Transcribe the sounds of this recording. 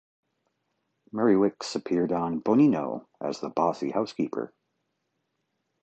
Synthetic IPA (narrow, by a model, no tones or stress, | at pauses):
mɛɹiwɪksɨpʰɪɹɾn̩boninoʊ | ʔɨ̰zðəbɑsḭhaʊskʰipʰə̰˞